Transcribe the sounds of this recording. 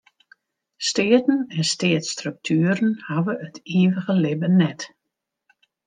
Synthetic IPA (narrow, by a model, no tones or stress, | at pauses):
stɪːətən̩ɛnsteːətstrɵk̚tʰyːəɾənhaʋəətʰiːʋəɣəlɪbənɛt